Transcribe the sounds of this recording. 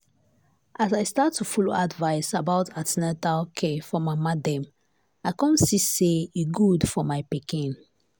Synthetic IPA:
ʔazajstatʰːufɔloadvaɪsabaʊtʰatnɛtakʰefɔmamadɛ̃m | aɪkɔ̃nsiseeɡudfɔmaɪpikĩn

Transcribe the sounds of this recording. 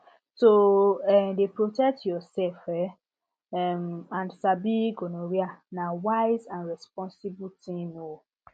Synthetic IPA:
soɛmdepɹotɛk̚tʰjɔsɛlfɛ | ɛmãnsabiɡonoɹianawaɪzãnɹɛspɔ̃nsibutʰĩno

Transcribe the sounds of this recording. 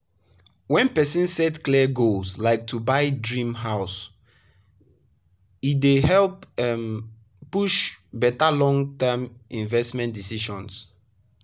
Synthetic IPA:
wɛ̃npɛsĩnsɛtklɛɡolslaɪk̚tʰubaɪdɹĩmɦaʊs | idehɛlpɛm | puʃbɛtalɔ̃ŋtɛmĩnvɛstmɛ̃ntdisiʃɔ̃ns

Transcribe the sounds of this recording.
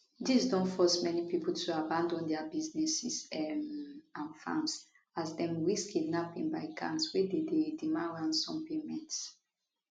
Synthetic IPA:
disdɔ̃nfɔsmɛnipipl̩tʰuabãndɔ̃ndɛabiznɛsis | ãnfã̰ms | azdɛ̃mwiskʰidnapĩnbaɪkʰã̰ntswɛdededimãnɹãndsɔ̃mpemɛ̃nts

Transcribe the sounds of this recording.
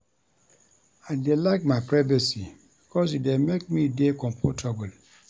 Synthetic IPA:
aɪdelaɪk̚maɪpɹavɛsibikʰɔsidemek̚midekɔ̃mpʰɔtʰabəl

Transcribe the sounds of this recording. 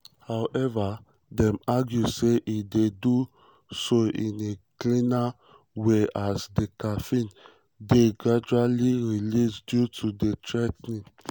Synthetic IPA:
hawʔɛva | dɛ̃maɡjuseʔidedu | soʔĩneklĩna | weasdekafĩn | deɡɹad͡ʒualiɹilisdjutʰudetɹɛtnĩn

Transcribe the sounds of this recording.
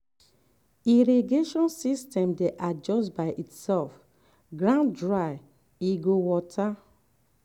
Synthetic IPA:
iɾiɡeʃɔ̃nsistɛ̃mdeʔad͡ʒɔstbaɪʔitsɛlf | ɡɾãndɹaɪ | iɡowɔtʰa

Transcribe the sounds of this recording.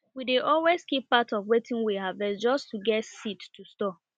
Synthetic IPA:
wideʔɔlweskipːatɔvwetʰĩŋwiɦavɛsd͡ʒɔstuɡɛtsitːʰustɔ

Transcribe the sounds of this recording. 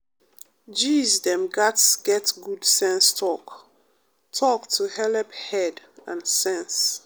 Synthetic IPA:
d͡ʒizdɛ̃mɡatsɡ̥ɛtɡudsɛ̃nstʰɔk | tʰɔktʰuhɛlɛphɛd | ãnsɛ̃ns

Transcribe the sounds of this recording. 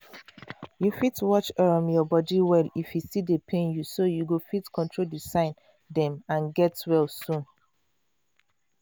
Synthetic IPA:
jufitwɔt͡ʃɛɹɔ̃mjɔbɔdiwɛlifjusidəpʰẽnjusojuɡofitkʰɔ̃ntʰɹoldisãɪ̃n | dɛ̃mãnɡɛtwɛlsũn

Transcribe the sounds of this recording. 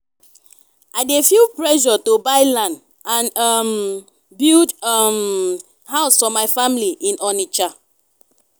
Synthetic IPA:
aɪdefilpɹɛʒɔtobaɪlãnd | ãnm | bildm | haʊsfɔmaɪfãmiliʔĩnɔnit͡ʃa

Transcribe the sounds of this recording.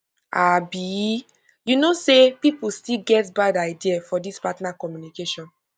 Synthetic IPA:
ʔabi | junosepipustilɡɛtbadaɪdiafɔdispatnakɔmjunikeʃɔ̃n

